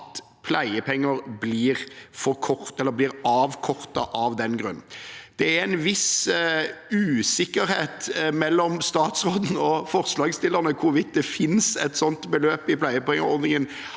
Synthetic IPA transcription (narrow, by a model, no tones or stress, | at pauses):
t̪ | pʰlæɪəpʰɛŋːəɾbliːʁfɔɾkʰɔɾt̪ɛlːəɾblɪːɾɑːʋkʰɔʁt̪ɑ̰ʔɑʋd̪ɛnɡɾʉ̰nːnd̪̥ɛæɾɛnʋɪs | ʉːsɪkːəɾheːt̪mɛlːɔmst̪ɑːt̪sʁoːd̪n̩ɔfɔɾslɑːɡst̪ɪləɾnəkʰʊɾʋɪt̪̚d̪ɛfɪnsɛt̪sɔnt̪bəløːpɪpʰlæɪəpɛŋəɾɔɾd̪ɪŋən